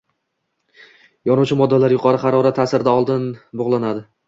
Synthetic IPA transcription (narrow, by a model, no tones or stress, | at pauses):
jɒnʊwt͡ʃʰɪmɒd̪ːalaɾjʊqʰɒɾɪχɑɾɒɾat̪ʰːasɪɾɪd̪aɒlˠd̪ɪnboʁlˠanad̪ɪ